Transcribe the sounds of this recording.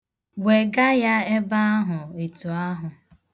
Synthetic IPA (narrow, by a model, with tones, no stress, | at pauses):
we˨ɡa˦ja˦e˦ba˦a˦ɦʊ˨e˨tu˨a˦ɦʊ˨